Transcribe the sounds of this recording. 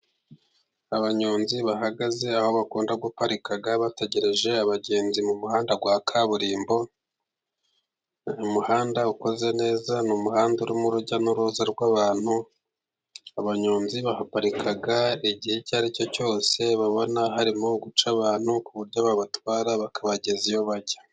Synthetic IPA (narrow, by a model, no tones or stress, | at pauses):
aβaɲoːnziβaɦaɡaze̞aho̞βakuːndaɡupaɾikaɡaβate̞ɟe̞ɾeʒe̞aβaɟe̞ːnzimumuhaːndaɡwaːkʰaβuɾiːmbo̞ | umuhaːndauko̞ze̞ne̞ːzanumuhaːnduɾumuɾuɟanuɾuːzaɾɡwaːβaːn̥hu | aβaɲoːnziβahapaɾikʰaɡaiɟihecaːɾico̞co̞ːse̞βaβo̞naɦaɾimo̞ɡut͡ʃaβaːn̥hukuβuɾɟoβaβatwaːɾaβakʰaβaɟe̞zijo̞βaɟḁ